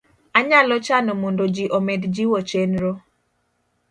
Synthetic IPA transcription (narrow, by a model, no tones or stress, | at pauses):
aɲalɔt͡ʃanɔmondod͡ʒiʔomedd͡ʒiwot͡ʃenɾo